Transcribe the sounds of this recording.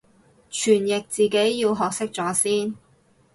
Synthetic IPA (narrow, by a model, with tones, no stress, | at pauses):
t͡ʃʰyː˨˩njɪ˨k̚t͡siː˨ke˨˥jːiː˧wɦɔː˨k̚sɪ˥k̚t͡sɔː˨˥siː˥n